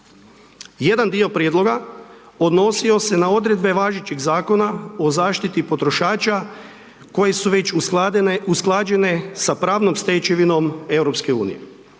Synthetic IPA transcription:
je̞d̪and̪io̞pɾjed̪lˠo̞ɡa | o̞d̪no̞sio̞se̞nao̞d̪ɾe̞d̪̚be̞ʋaːʒit͡ɕiɡzaːko̞nao̞zaːʃt̪it̪ipo̞t̪ɾo̞ʃaːt͡ʃa | ko̞je̞suʋe̞t͡ʃ | usklˠaːd͡ʒe̞ne̞sapɾaːʋno̞mst̪et͡ʃiʋino̞me̞wɾo̞pske̞uːnḭjḛ

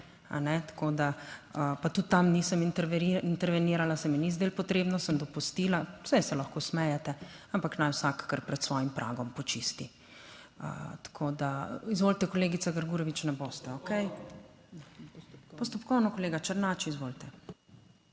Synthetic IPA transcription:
a̰nɛt̪ḁkod̪aəpat̪ut̪ːamnisəmint̪ɛɾʋɛniːɾalasɛmɛnizd̪eːlpɔt̪ɾeːbnɔsəmd̪ɔpust̪iːlasɛjsɛlaxkosmɛjɛt̪ɛampaknajwsakkːəɾpɾɛt̪sʋɔjimpɾʔa̰ːɡɔmpɔt͡ʃist̪i | ə̰t̪ḁkʰoːd̪aizʋoːlt̪ɛkɔleːɡitsaɡəɾɡuːɾɔʋit͡ʃnɛbost̪ɛokɛj | pɔst̪ɔpkɔwnɔkɔleːɡat͡ʃəɾnaːt͡ʃiizʋolt̪ɛ

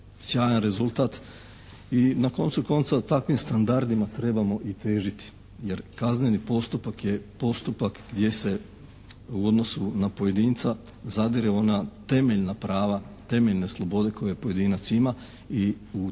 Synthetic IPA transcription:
sjaːjanɾe̞zulˠt̪at̪ | inako̞nsuko̞nt̪sat̪akʋimst̪and̪aɾd̪imat̪ɾe̞bamo̞ʔit̪e̞ːʒit̪i̥ | je̞ɾkaznenipo̞st̪upakje̞po̞st̪upakɡd̪je̞se̞ | uo̞d̪no̞sunapo̞je̞d̪iːnt̪sa | zad̪iɾeo̞nat̪e̞me̞ʎnapɾaːʋat̪e̞me̞ʎne̞slˠo̞bo̞d̪e̞kʰo̞jejepo̞je̞d̪inat̪sima | i | u

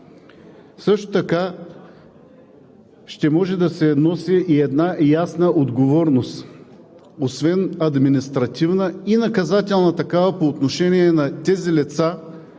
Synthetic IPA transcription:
sɤʃt̪ot̪ɐka | ʃt̪ɛmɔʒɛd̪ɐsɛnɔsiʔiɛd̪najasnəʔod̪ɡovɔɾnost̪ | osvɛnɐd̪minist̪ɾɐt̪ʲivnəinɐkɐzat̪ɛlˠnɐt̪ɐkavɐpoːt̪noʃɛniɛnɐt̪ɛzilɛt̪sa

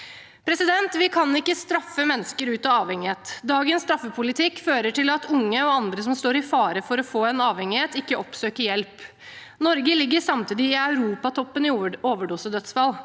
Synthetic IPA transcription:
pʰɾɛsɪd̪ɛnt̪ʋɪkʰɑnɪkːəst̪ɾɑfːəmɛnːəskəɾʉːt̪ɑɑːʋhɛŋɪheːt̪d̪ɑːɡənst̪ɾɑfːəpʰʊlɪt̪ʰɪkføːɾəʈɪlɑt̪ʰʊŋːəɔɑnd̪ɾəsɔmst̪oːɾɪfɑːɾəfɔɾɔfoːɛnɑːʋhɛŋɪheːt̪ɪkːəʔɔpsøːkəjɛlp | nɔɾɡəlɪɡːəsɑmt̪iːd̪ɪɪɑʉɾuːpɑt̪ʰɔpːənɪoːʋəɖʊsəd̪œt̪sfɑl

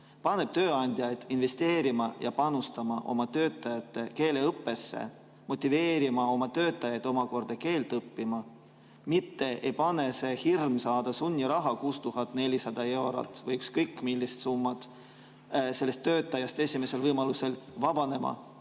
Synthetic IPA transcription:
pɑnːe̞b̥̚t̪øːɑnʲd̪̥ʲjɑjd̪̥inve̞st̪e̞ːɾimɑjɑ̰pɑnust̪ɑmɑʔo̞̰mɑt̪øːt̪ːˑɑjɑt̪ːˑe̞ke̞ːle̞ɤpːe̞sːḛ | mo̞t̪ʲːˑive̞ːɾimɑo̞mɑt̪ø̞ːt̪ːˑɑjɑjd̪̥o̞mɑko̞rd̪̥ɑke̞ːlt̪ɤpːimɑ | mit̪ːe̞ejpɑne̞se̞hirmsɑːd̪̥ɑsunʲːiɾɑɦɑkuːst̪uɦɑt̪ːˑne̞lʲisɑd̪̥ɑe̞wɾo̰t̪ːˑvɤjykskɤjkːˑmilʲːist̪sumːɑd̪̥ | se̞lːest̪ːø̞ːt̪ːˑɑjɑst̪e̞sʲime̞se̞lvɤjmɑluse̞lvɑb̥ɑne̞mɑ̰

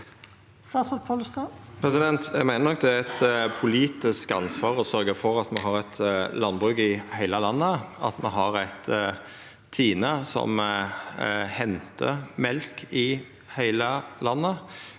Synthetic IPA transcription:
st̪ɑːsmɔt̪pʰɔlst̪ɑpʰɾɛsɪd̪ɛnt̪ʰæɪmæɪənɔk̚ːd̪ɛæɾɛt̪pʰʊliːt̪ɪskɑ̰nsʋɑːʁɔsœɾɡəfɔɾɑt̪mɛɦɑɾɛt̪ʰlɑnbʁʉːɡɪhæɪləlɑnːəɑt̪mɛɦɑʁæt̪ʰ | t̪ʰːiːnəsɔ̰m | hɛnt̪ʰə̰mɛlkɪ | hæɪləlɑnːə

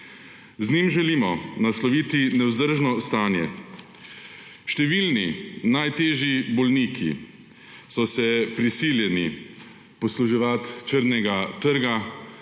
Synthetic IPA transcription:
znimʒɛliːmɔnaslɔʋiːt̪inɛwzd̪əɾʒnɔst̪aːnjɛ | ʃt̪ɛʋilninajt̪eːʒibɔlniːkʰḭ | sɔsɛpɾisiljɛni | pɔsluʒiʋat̪t͡ʃəɾnɛɡat̪əɾɡa

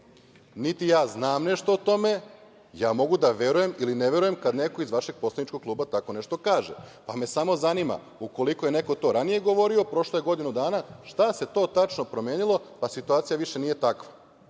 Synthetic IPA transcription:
nit̪ijaːznaːmne̞ʃt̪oot̪o̞me̞ | jaːmo̞ɡud̪aʋe̞ɾuje̞milineʋe̞ɾuje̞mkad̪ne̞ko̞izʋaʃe̞ɡ̚po̞slˠanit͡ʃkoɡ̚klˠuːbat̪ako̞ne̞ʃt̪o̞kaːʒḛpame̞samo̞zanima̰ | uko̞liko̞jene̞ko̞t̪o̞ːɾanije̞ɡo̞ʋo̞ɾiopɾo̞ʃloje̞ɡo̞d̪inud̪aːnaʃt̪ase̞t̪o̞ːt̪at͡ʃno̞pɾomjeːnilˠo̞pasit̪uaːt̪sijaʋiʃe̞niːje̞t̪akʋa

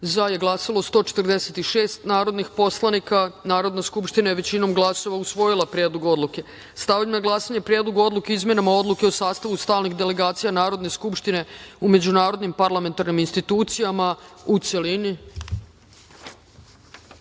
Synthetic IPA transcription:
zaje̞ɡlˠasalo̞st̪o̞ːt͡ʃe̥t̪rd̪e̞se̞t̪iʃe̞ːst̪naːɾo̞d̪nixpo̞slˠanikanaːɾo̞d̪naskupʃt̪inajeʋe̞t͡ɕino̞mɡlˠaso̞ʋausʋo̞jilˠapɾje̞ːd̪loɡuo̞d̪lˠuke̞ | st̪aʋmnaɡlˠaːsaɲepɾje̞d̪lˠoɡuo̞d̪lukeizmje̞namao̞d̪luke̞osaːst̪aʋust̪aːlnixd̪e̞le̞ɡaːt̪sijanaːɾo̞d̪ne̞skupʃt̪ine̞ume̞d͡ʑunaːɾo̞d̪nimpaɾlˠame̞nt̪aɾniminst̪it̪uːt̪sijamaut̪se̞lini

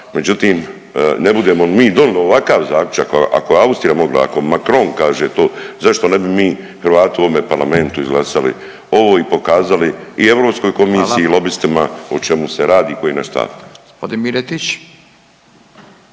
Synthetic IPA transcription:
me̞d͡ʑut̪iːm | nebud̪e̞momiːd̪o̞nilio̞ʋakaːʋzaːklʲut͡ʃakʔa̰koeaust̪ɾijamo̞ɡla̰a̰ko̞makɾo̞nkaːʒeːt̪o̞ːzaʃt̪o̞ne̞bimiː | hɾʋaːt̪iuoʋome̞paɾlame̞nt̪uizɡlˠasalḭ | o̞ʋo̞ːipo̞kaːzaliie̞ʋɾoːpsko̞jko̞miːsiiːlo̞bist̪imaot͡ʃe̞museɾaːd̪iːko̞jinaʃt̪a̰f | od̪imiɾet̪it͡ʃ

